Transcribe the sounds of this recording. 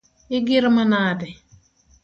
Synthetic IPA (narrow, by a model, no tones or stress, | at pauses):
ɪɡɪɾmanaːdɛ